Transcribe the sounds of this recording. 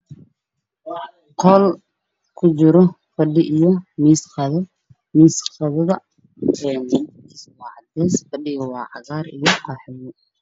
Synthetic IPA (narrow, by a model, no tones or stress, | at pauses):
qʰɔːl | kʰʊt͡ʃɪɾɔ | fɐɖɪʔijɔmiːsqɑðɐ | miːsqɑðɐðɐ | ɛn | iswɑːʕɑd̪ɛːsfɐɖɪɣɔwɑːʕɑ̰ɣaːɾijɔqɑːħɪjɛ